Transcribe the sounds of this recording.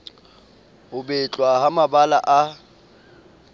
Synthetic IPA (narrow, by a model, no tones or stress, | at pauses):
hʊbɛt͡ɬʼwaɦamabala̰ʔa